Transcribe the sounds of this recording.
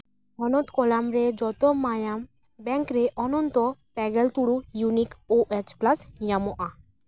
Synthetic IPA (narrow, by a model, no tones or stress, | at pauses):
ɔnɔt̪kɔlamɾed͡ʒɔt̪ɔmajam | bɛŋkɾeʔɔnɔnt̪ɔpɛɡɛlt̪uɽujunikoʔet͡ʃplasjamɔʔa